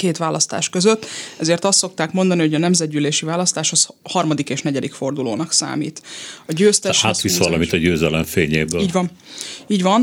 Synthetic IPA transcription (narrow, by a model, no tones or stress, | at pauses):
keːt̪ʋaːlʔɒst̪a̰ːʃkøzøt̪ːɛzeːrt̪ɒst̪so̞k̚t̪aːkmo̞nd̪ɒniho̞ɟɒnɛmzɛd̪̚ɟyːleːʃivaːlɒst̪aːʃho̞shɒrmɒd̪ikeːʃnɛɟɛd̪ikfo̞rd̪uloːnɒksa̰ːmḭːt̪ɒɟøːst̪ɛʃaːt̪ʋisʋɒlɒmit̪ɒɟøːzɛlɛɱfeːɲeːbøːiːɟvɒn | iːɟʋɒn